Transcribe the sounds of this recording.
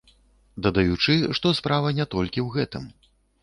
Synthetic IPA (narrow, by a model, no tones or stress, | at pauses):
d̪ɐd̪ajut͡ʂɨʂt̪ɔspɾavɐnʲɛt̪ɔlʲkʲiwɣɛt̪ɨ̰m